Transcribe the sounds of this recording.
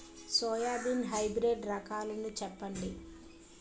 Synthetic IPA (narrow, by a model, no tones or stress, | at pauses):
sɔːjaːb̪inɦɐjbɾeːɖɾɐkaːlɐnut͡ʃɛpːɐɳɖi